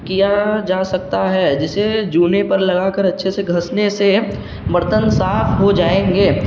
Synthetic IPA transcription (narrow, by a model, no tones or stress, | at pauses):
kijad͡ʒaːsɐk̚t̪aɦɛd͡ʒɪsed͡ʒuːnepɐɾlɐɡakəɾɐtːʃʰeseɡʱɐsnese | bɐɾt̪ənsaːfʰɦod͡ʒaːẽːŋɡeː